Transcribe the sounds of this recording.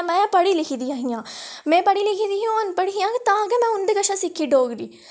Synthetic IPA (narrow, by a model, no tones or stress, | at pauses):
mɛ̃pɐɽilɪkʰid̪ijãɦijãmɛ̃ːpɐɽilɪkʰid̪iɦũonpəɽiɦijãkt̪ãːɡemɛ̃ːʊnd̪ekɐʃãsikʰːiɖoːɡɾiː